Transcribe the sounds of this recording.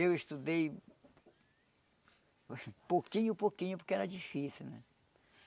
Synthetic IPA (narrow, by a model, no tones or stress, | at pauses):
ewist̪ud̪ej | pokĩɲʊpokĩɲʊpoɾkeɛɾɐd͡ʒifisiwnɛ̰̃